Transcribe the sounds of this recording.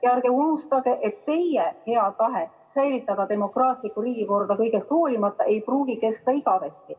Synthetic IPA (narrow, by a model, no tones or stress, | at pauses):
eɑɾɡ̥eunust̪ɑɡ̥e̞ʔe̞t̪ːe̞jjehe̞ɑt̪ɑɦe | sæjlit̪ːˑɑd̪̥ɑd̪e̞mo̞krɑːt̪likːˑuɾiːɡ̥iko̞rd̪̥ɑkɤjɡ̥e̞st̪ho̞ːlimɑt̪ːˑɑʔe̞jpruːɡike̞st̪ɑiɡ̥ɑvest̪i